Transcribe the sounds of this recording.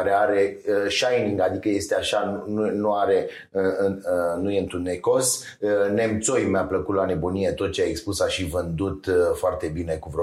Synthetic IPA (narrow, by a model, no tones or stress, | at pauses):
aɾeaɾe̞əʃajniŋɡad̪ikəje̞st̪eaʃanununuaɾe̞ | nujeɨnt̪ɾunːeko̞s | ne̞mt̪so̞jmeapləkut̪lane̞bonijet̪o̞t̪̚t͡ʃeaekspusaʃivɨnd̪ut̪foart̪e̞bine̞kuvɾo